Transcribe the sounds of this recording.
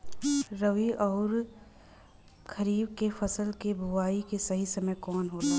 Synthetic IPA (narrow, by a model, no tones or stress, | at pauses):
ɾəʋiʔɔːɾ | kʰɐɾiːbkefʰɐsəlkebʱʊʋaːikesɐɦisɐməjkɔːnɦoːt̪aː